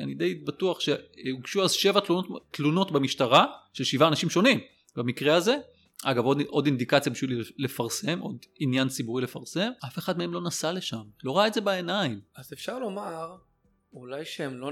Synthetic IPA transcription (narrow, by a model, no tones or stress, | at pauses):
a̰nid̪ejbatuaχʃeuɡʃuazʃe̞vat̪lunottluno̞tbemiʃtaʁaʃelʃivaːnaʃimʃo̞nim | bamikʁeaze̞ | ʔaɡavo̞dʔo̞dind̪ikat͡sjabiʃville̞faʁse̞mʔod̪injant͡sibuʁile̞faʁse̞mafe̞χad̪meemlo̞nasale̞ʃamlo̞ʁaetze̞baenaimazefʃaʁlo̞maʁ | ulajʃeemlo